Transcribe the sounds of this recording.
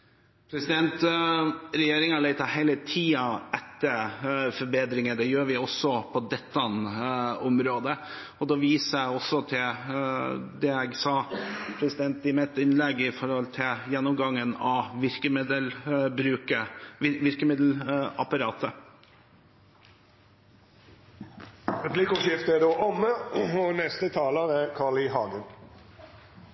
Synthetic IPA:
pʰɾɛsɪd̪ɛnt̪ | ɾɛjeːɾɪŋɑlæɪt̪ɑhæɪlət̪ʰiːɑʔɛt̪ːəɾfɔɾbeːd̪ɾɪŋəd̪ɛjøːɾʋɪɔsːɔpʰɔd̪ɛt̪ːɑnɔmɾoːd̪ə | ɔd̪ɔːʋiːsəæɔsɔt̪ʰɪl | d̪ɛɛɡsɑːpʰɾɛsɪd̪ɛnt̪̚d̪ɪmɛt̪ːɪnlɛɡɪfɔɾhɔlt̪ʰɪljɛnːɔmɡɑŋːənɑʋɪɾkəmɪd̪əlbɾʉːkəɪʋɪɾkəmɪd̪l̩ɑpɑɾɑːt̪ʰə | ʁɛpʰlikʊʃɪft̪əæd̪oːʔɔmːəɔnɛst̪ət̪ʰɑːləɾɛɾkʰɑːɭɪɦɑːɡən

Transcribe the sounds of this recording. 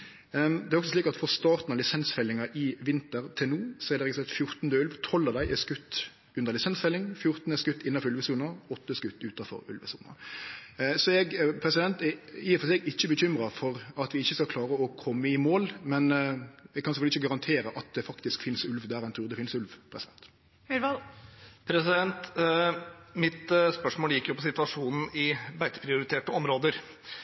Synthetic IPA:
d̪ɛɾɔksɔsliːkɑt̪fɔʁst̪ɑːɾt̪n̩ɑʋlɪsɛnsfɛlːɪŋɑʔɪʋɪnt̪əɾt̪ʰɪlnuːsɔɛɾd̪ɛɾɛɡsɛt̪fjʊɾt̪n̩d̪əʉlʋt̪ʰɔlːɑd̪æɪʔɛskʉt̪ː | ʉnd̪əʁlɪsɛnsfɛlːɪŋfjʊʁt̪n̩əskʉt̪ːɪnːɑfɔʁʉlʋəsuːnəɔt̪ːəskʉt̪ːʉːt̪ɑfɔ̰ɾʉ̰lʋə̰sṵːnə̰ | sɔɛɡpʰɾɛsɪd̪ɛnt̪ɛiːəfɔsɛɡɪçːəbəçʏmɾɑfɔɾɑt̪ʋɪɪçːəskɑkʰlɑːɾəɔkʰɔmːəɪmoːlmɛnɛkʰːɑnsɛfœlɪçːəɡɑʁɑnt̪ʰeːɾəʔɑt̪̚d̪ɛfɑkt̪ɪskfɪnsʉlʋd̪æɾɛɪnt̪ʰɾuːʁd̪ɛfɪnsʉlʋpʰɾɛsɪd̪ɛnt̪ | mɪʋɑpʰɾɛsɪd̪ɛnt̪ | mɪt̪spœʂmoːlɪkːəɾjʊpʰɔsɪt̪ʋɑʂuːnn̩ɪbæɪt̪ə̥pʰɾɪʊɾɪt̪ʰeːʈəɔmɾoːd̪əɾ

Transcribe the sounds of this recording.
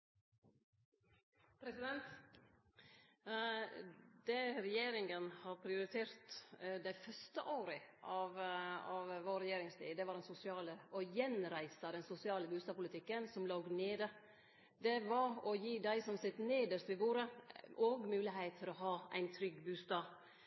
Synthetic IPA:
pʰɾɛsɪd̪ɛnt̪ | d̪̥ɛɾɛjeːɾɪŋənhɑɾpʰɾɪʊɾɪt̪ʰeːɾt̪d̪æɪfœʂt̪əʔoːɾəʔɑʋɑʋʋoːɾɛjeːɾɪŋslḭːd̪ɛʋɑːɾd̪ɛnsʊsɪɑːləʔɔjɛnɾæɪsɑd̪ɛnsʊsɪɑːləbʉːst̪ɑːʋpʰʊlɪt̪ʰɪkːənsɔmloːɡneːd̪ə | d̪ɛʋɑɾɔjiːd̪æɪsɔmsɪt̪neːd̪əʂt̪ʋɪʋuːɾəʔoːɡmʉːlɪɦeɪt̪fʰəɾɔɦɑːʔæ̰ɪnt̪ʰɾʏɡːbʉːst̪ɑːʋ

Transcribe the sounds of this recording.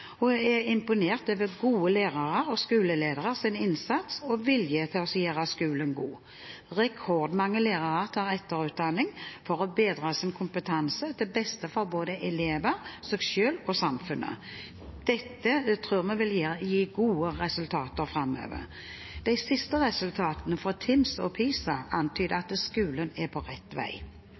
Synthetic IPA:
ɔɛɪmpʊneːʁt̪øːʋəɡuːəleːʁɑʁəɾɔskʉːləleːd̪əʁəʁsɪnɪnsɑt̪sɔʋɪljət̪ʰɪlɔsjeːʁəskʉːlənɡuː | ʁɛkʰɔʁd̪mɑŋːəleːʁɑʁəʁt̪ʰɑːʁɛt̪ːəɾʉːt̪̚d̪ɑnɪŋfɔɾɔbeːd̪ɾɑːsɪnkʰʊmpət̪ʰɑnsəd̪ɪbɛst̪əfɔboːd̪əʔɛleːʋəɾsɛksɛlɔsɑmfʉnʔə̰ | d̪̥ɛt̪ːət̪ʰʁʉːʁmɛʋɪljiːɡuːəʁɛsʉlt̪ʰɑːt̪əɾfɾɑmːø̰ːʋə̰ʁ | d̪̥æɪsɪst̪əʁɛsʉlt̪ʰɑːt̪ənəfɔt̪ʰɪmsɔ̰pʰiːsɑʔɑnt̪ʰyːd̪əɑt̪skʉːlənɛpʰɔʁɛt̪ːʋæ̰ɪ

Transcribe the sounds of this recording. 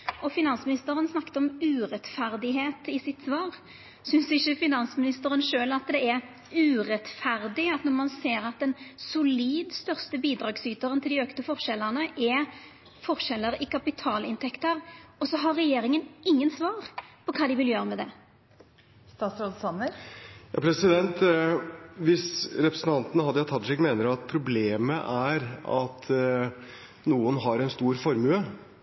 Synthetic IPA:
ʔɔfɪnɑnsmɪnɪst̪əɾənsnɑkːt̪əɔmʉːʁɛt̪fæʁd̪ɪɦeːt̪ɪsɪt̪sʋɑːʁ | sʏnsɪçːəfɪnɑnsmɪnɪst̪əɾənʃøːlɑt̪d̪ɛɛɾ | ʉːʁɛt̪fæʁd̪ɪɑt̪nɔʁmɑnseːɾɑt̪̚d̪ɛnsʊliːd̪st̪œʁst̪əbiːd̪ɾɑːɡsyːt̪əɾənt̪ʰɪld̪ɪøkt̪əfɔʁʂɛlːəʁnəʔɛ | fɔʁʃɛlːəɾɪkʰɑpɪt̪ʰɑːlɪnt̪ʰɛkt̪əɾɔsɔɦɑɾːɛjeːɾɪŋənɪŋːənsʋɑːʁpʰɔkʰɑːd̪ɪʋɪljøːɾəmɛd̪ɛ̰ | st̪ɑːt̪sɾod̪sɑnəɾjɑ̰ːpʰɾɛsɪd̪ɛnt̪ | ʋɪsɾɛpɾəsən̩t̪ɑnt̪ənəhɑd̪ːəjɑt̪ʰɑt̪ʂɛɡmeːnəɾɑt̪̚pʰɾʊbleːməʔæɾɑ̰t̪ | nuːənɦɑɾɛnst̪uːɾfɔɾmʉə

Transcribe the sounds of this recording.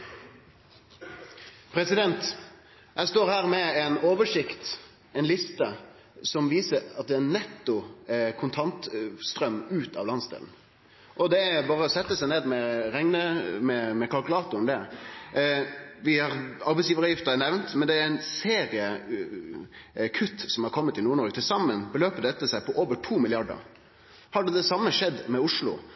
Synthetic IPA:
pʰɾɛsɪd̪ɛnt̪ | jæɪst̪oːɾhæːɾmɛɛnoːʋəʂɪkt̪ | ɛɪnlɪst̪ə | sɔmʋiːsəɾɑt̪̚d̪ɛɛnɛt̪ːʊkʰʊnt̪ʰɑnt̪st̪ɾœmʉːt̪ʰɑ̰ʋlɑnsd̪ɛ̰ːln̩ | ʔɔd̪ɛæbɑːɾəɔsɛt̪ːəsæɪneːd̪mɛɾɛŋnəmɛmɛkʰɑlkʉlɑːt̪ʊɛmd̪ɛ | ʋɪhɑɾɑɾbɛɪsjiːʋəɾəjɪft̪əɾænɛʋnt̪mɛnd̪ɛæɾæɪnseːɾɪə | kʰʉt̪ːsɔmhɑɾkʰɔmːət̪ɪnuːɾɳɔɾɡət̪ʰɪlsɑmːənbəløːpəd̪ɛt̪ːəsæɪpʰɔʔoːʋəʈʰuːmɪlɪɑɖə̰ɾ | hɑɖɛd̪ɛsɑmːəʂɛd̪ːmɛʊʂlʊ̰

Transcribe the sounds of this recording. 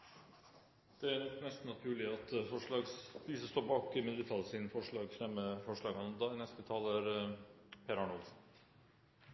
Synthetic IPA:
d̪̥ɛænɔnɛst̪n̩ɑt̪ʰʉːɭɪɑt̪fɔʂɭɑːɡsisəst̪oːɾbɑːkəmɛd̪ʋɪt̪ʰɑlsɪnfɔʂɭɑːɡfɾɛmːəfɔʂɭɑːɡɑnmd̪ɑnɛst̪ət̪ʰɑːləɾ | pʰeːɾɑɳɔlsn̩

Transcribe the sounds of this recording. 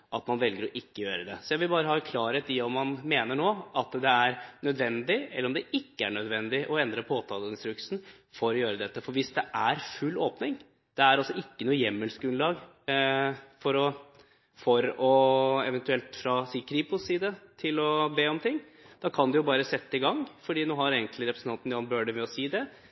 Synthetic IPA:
ʔɑt̪mɑnʋɛlɡəɾɔʔɪkːəjøːɾəd̪ɛsɔjæʋɪlbɑːɾəhɑkʰlɑːɾət̪ɪɔmːɑnmeːnəɳoːɑt̪d̪ɛæɾnœd̪ʋɛnd̪ɪɛlːɾɔmd̪ɛɪkːəæɳœd̪ʋɛnd̪ɪʔɔɛnd̪ɾəpʰoːt̪ʰɑːlɪnst̪ɾʉksn̩ | fɔɾɔjøːɾəd̪ɛt̪ːəfɔɾʋɪsd̪ɛʔæɾfʉlːoːpnɪŋ | d̪̥ɛæɾɑlsɔɪkːənuːəjɛmːəlskʉnlɑːɡ | fɔɾɔ | fɔɾɔɛʋɛnt̪ʉɛlt̪fɾɑsiːkʰɾiːpʊsiːd̪ət̪ʰɪlɔbeːɔmt̪ʰɪŋːd̪̥ɑːkʰɑnd̪ʉjʊbɑːɾəsɛt̪ːəɪɡɑŋːfɔɖiːnoːɦɑɾeːŋkləɾɛpɾəsn̩t̪ɑnt̪njɑːnbøːɖəmɛɔsiːd̪ɛ

